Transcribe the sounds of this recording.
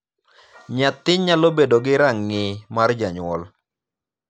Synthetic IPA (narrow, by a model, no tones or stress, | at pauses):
ɲat̪ːɪɲalobedoɡɪɾaŋːɪmard͡ʒaɲwɔl